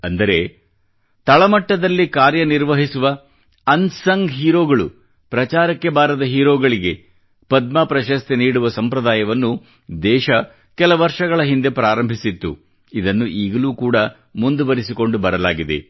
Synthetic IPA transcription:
ɐnd̪ɐɾe̞ | t̪ɐɭɐmɐʈːɐd̪ɐlːikaːɾjɐniɾʋɐɦisuʋɐ | ɐnsɐŋɡɦiːɾoːɡɐɭṵ | pɾɐt͡ʃaːɾɐkːe̞baːɾɐd̪ɐɦiːɾoːɡɐɭiɡe̞ | pɐd̪̚maːpɾɐʃɐst̪eniːɽuʋɐsɐmpɾɐd̪aːjɐʋɐnːu | d̪ɛːʃɐ | kɛlɐʋɐɾʂɐɡɐɭɐɦind̪e̞pɾaːɾɐmbʱisit̪ːṵ | id̪ɐnːuʔiːɡɐluːkuːɽɐ | mund̪uʋɐɾisiko̞ɳɖubɐɾɐlaːɡid̪e̞̰

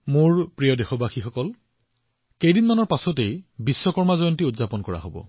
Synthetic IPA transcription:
mʊɹpɹijɔdexɔbaxixɔkɔl | kejdinmanɔɹpasɔtejbisːɔkɔɹmazɔjɔntiʊtzapɔnkɔɹa̰ɦobɔ̰

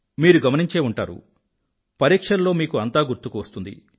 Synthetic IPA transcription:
miːɾuɡɐmɐniɲt͡ʃe̞ːuɳʈa̰ːɾṵ | pɐɾiːkʂɐnlːo̞ːmiːkuɐnt̪aːɡuɾt̪ukuʋɐst̪und̪ḭ

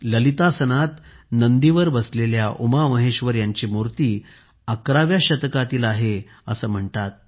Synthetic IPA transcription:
ləlit̪asənat̪nənd̪iʋəɾbəsleljaʔumaməɦeɕʋəɾjaɲt͡ɕiːmuɾt̪iː | akɾaʋjaɕət̪kat̪iːlaɦe | əsəːm̤əɳt̪at̪̚

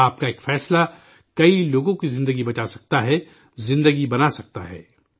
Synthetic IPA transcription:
aːp̚kaeːkfɛːsla | kɐiloːɡõkizɪ̃nd̪əɡibɐt͡ʃasɐ̥k̚t̪aɦɛ | zɪ̃nd̪əɡibɐnasɐk̚t̪aɦɛ̰ː

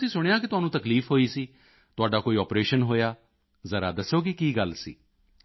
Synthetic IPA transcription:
ʊsĩːsʊɽ̃ejãːkɪt̪ʊɦaːnũːt̪əkliːfɦoːiːsiː | t̪ʊaːɖaːkoːiːɔːpɾeːʃənɦoːjaː | zəɾa̰ːd̪əsːoːkikiːɡəlsḭː

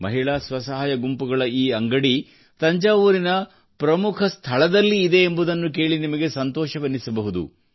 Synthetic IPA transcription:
mɐ̰ɦiɭaːsʋɐsɐɦaːjɐɡumpuɡɐɭɐiːɐŋɡɐɽi | t̪ɐɲd͡ʒaːʋuɾinɐ | pɾɐmukʰɐst̪ʰɐɭɐd̪ɐlːiːd̪e̞ːmbud̪ɐnːuk̬e̞ːɭinimɐɡe̞sɐnt̪ɔːʃɐʋɐnːisɐbɐɦud̪ṵ

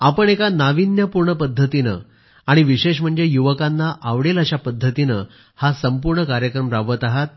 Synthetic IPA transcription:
apəɳekanaʋinjəpuɾɳəpəd̪ʱːət̪inə̰ | aɽ̃iʋiɕeɕ̬m̤əɳd͡zejuʋəkanːaʔaʋɽelaɕapəd̪ʱːət̪inə | hasəmpuɾɳəkaɾjəkɾəmɾaʋət̪aɦat̪̚

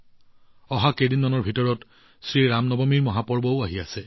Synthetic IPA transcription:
ɔɦakedinːɔnɔɹbʱitɔɹɔt | sɹiɹamnɔbomiɹmɔɦapɔɹbɔʊaɦiasɛ

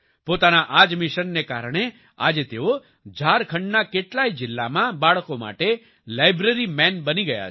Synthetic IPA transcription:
pot̪anaʔad͡ʒmɪʃənːeka̰ɾɳ̃e | a̰d͡ʒet̪eo | d͡ʒʱaɾkʰəɳɖnakeʈlaid͡ʒɪlːamãbaɭkoma̰ʈe | lajbɾeɾimɛnbəniɡəja̰

